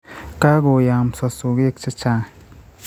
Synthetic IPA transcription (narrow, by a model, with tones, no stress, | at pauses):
ka˦ɡo˨ja˨msa˨su˨ɡi˦˨k̚t͡ʃa˦t͡ʃa˨